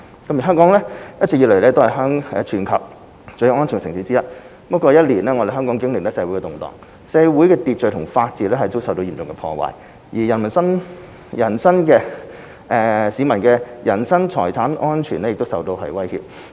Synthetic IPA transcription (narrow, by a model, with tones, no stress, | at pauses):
kɐ˨˥mjɦœː˥ŋkɔː˨˥ŋlɛː˥jɐ˥t̚t͡sɪ˨k̚ji˧le˨˩lɛː˥t̪o˥hɐ˨jɦœː˥ŋɛː˧t͡ʃʰyː˨˩nkʰɐ˨˩w̚ | t͡ʃɵ˧ŋɔː˥nt͡ʃʰy˨˩ŋkɛsɪ̰˨˩ŋsiː˨˥t͡siː˥jɐ˥t̚ | pɐ˥kɔː˧jɐ˥t̚liː˨˩nlɛː˥ŋɔ˨˧de˨ɦœː˥ŋkɔː˨˥ŋkɪ˥ŋlɪ˨k̚lɛː˥sɛː˧wu˨˥jkɛ˧t̪ʊ˨ŋt̪ɔ̰ː˨˩ŋ | sɛː˧wuː˨˥jkɛː˧t̪iː˨t̚t͡ʃɵ˨˧tʰʊ˨˩ŋfaː˧t̚t͡siː˨t̚lɛː˥hɐ˨jt̪o˥wsɐ˨wt̪o˧wi˨˩t͡sʊ˨ŋkɛ˧pʰɔ̰ː˧wa̰ː˨˩j | jiː˨˩jɐ˨˩nmɐ˨˩nsɐ˥n | jɐ˨˩nsɐ˥nkɛː˧ | ʔɛː˨˧siː˨˧mɐ˨˩nkɛː˧jɐ˨˩nsɐ˥ŋt͡sʰɔː˨˩jt͡sʰaː˨˥nʔɔː˥nt͡ʃʰyː˨˩nɛ˥jɪ˨k̚t̪o˥wsɐ˨wt̪o˧whɐ̰˨jwɐ˥jhḭ˧p̚